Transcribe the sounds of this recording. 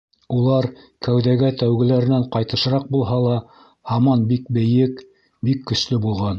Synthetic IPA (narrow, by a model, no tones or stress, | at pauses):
ulˠɑɾ | kæwðæɡæt̪æwɡɘ̆læɾɘ̆næɴqɑjt̪ɤ̆ʃɤ̆ɾɑq̚bulˠɦɑlˠɑ | hɑmɑnbik̚bɘ̆jɘk | bikːɵ̆slɘbulˠʁɑn